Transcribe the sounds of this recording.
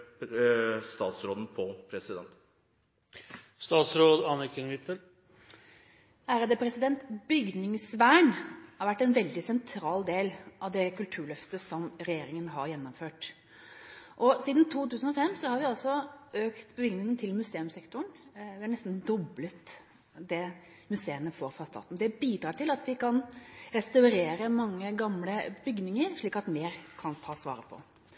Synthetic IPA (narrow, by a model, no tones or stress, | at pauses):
st̪ɑːt̪sɾoːd̪n̩pʰɔpʰɾɛsɪd̪ɛ̰nt̪ | st̪ɑːt̪sɾoːd̪ɑnəkʰɪŋʋɪt̪ʋə | æːɾəd̪əpʰɾɛsɪd̪ɛnt̪bʏɡnɪŋsʋæːɳhɑɾʋæʈːɛnʋɛld̪ɪsɛnt̪ʰɾɑːld̪eːlʔɑʋd̪ɛkʉlt̪ʰʉːɭœft̪əsɔmɾɛjeːɾɪŋənɦɑɾjɛnːɔmføːʈ | ʔɔsiːd̪n̩t̪ʰuːt̪ʉːsn̩ɔfɛmːsɔhɑɾʋɪɑlsɔøːkt̪bəʋɪɡnɪŋənt̪ʰɪlmʉseːʉmsɛkt̪ʊɳʋɪhɑɳɛst̪n̩d̪ɔblət̪ | d̪ɛ | mʉseːənəfoːɾfɾɑst̪ɑ̰ːt̪nd̪ɛbiːd̪ɾɑːʈɪlɑt̪ʋɪkʰɑnɾɛst̪ɑʉɾeːɾəmɑŋːəɡɑmləbʏɡnɪŋəɾʂɭiːkɑt̪meːɾkʰɑnt̪ʰɑːsʋɑ̰ːɾəpʰɔ̰